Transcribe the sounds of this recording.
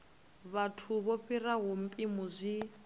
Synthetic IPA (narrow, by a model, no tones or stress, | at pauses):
βatʰuβoɸiraɦum̩pʼimuzʷi